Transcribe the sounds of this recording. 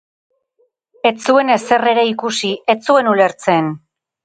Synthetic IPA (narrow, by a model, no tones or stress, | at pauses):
e̞t͡sue̞ne̞se̞re̞ɾe̞ikusie̞t͡sue̞nule̞ɾt͡se̞n